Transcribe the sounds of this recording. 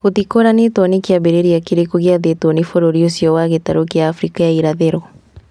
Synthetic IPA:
kotikoɾanetɔnekeaβeɾeɾiakeɾekoɣeaðetonefoɾoɾiosjɔwaɣetaɾokjaːfɾikajaiɾaðeɾɔ

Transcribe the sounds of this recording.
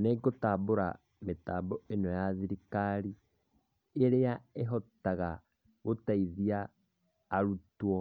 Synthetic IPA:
neɡotaːboɾa̰ | metaːbɔenɔjaðiɾikaɾi | eɾeaeɦɔtaɣa | ɣotaiðiaː | ɾutwɔ

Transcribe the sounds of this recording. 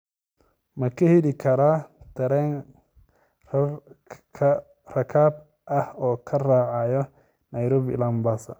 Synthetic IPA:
mɐkʰɐhilɪkʰɐɾaːd̪̥ɐɾɛːn | rɐkʰaːb | ʔɐhɔːkʰɐraːʕɑjɔ | nɐjɾɔbɪ̰lɐmbasɐ̰

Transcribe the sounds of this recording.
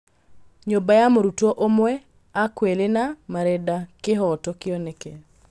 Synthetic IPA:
ɲobajamoɾutoʔomwɛ | akwelenamaɾɛdakɪɦɔtɔkɪɔneke

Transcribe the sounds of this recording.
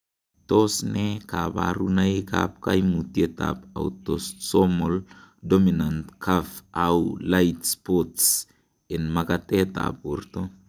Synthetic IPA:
tosnekaba̰ɾunaka̰p̚kajmutieta̰pa̰wtossomoldominantkʰafawlajtspots | enmakateta̰purto

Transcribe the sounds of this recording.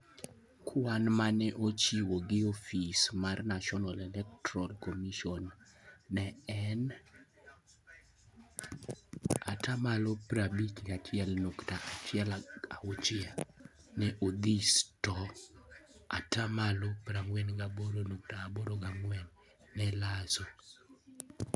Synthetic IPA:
kʰwanmanɛʔot͡ʃiwoɡɪofismarnaʃɔnalɛlɛk̚tɾɔlkomiʃɔnː | ɛɛn | a̰tʰamalopɾabikɡat͡ʃɪɛlnoktaʔat͡ʃɪɛlaot͡ʃɪanɛʔod̪istɔ | atamalopɾaŋwɛnɡaboɾonoktaaboɾoɡaŋwɛnː | ɛlaso

